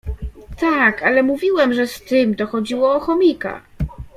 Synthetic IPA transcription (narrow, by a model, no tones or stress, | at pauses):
t̪akalɛmuvʲiwɛmʐɛst̪ɘmt̪ɔxɔd͡ʑiwɔːxɔmʲika̰